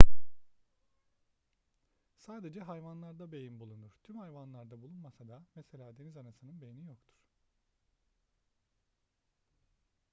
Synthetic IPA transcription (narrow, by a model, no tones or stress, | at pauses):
saːd̪e̞d͡ʒɛɦajvanlˠaɾd̪abe̞jinbulˠunuɾ̥t̪ʰymhajvanlˠaɾd̪abulˠunmasad̪amese̞lʲaːd̪enizanasɯnɯnbe̞jinijokt̪ʰu̥ɾ̥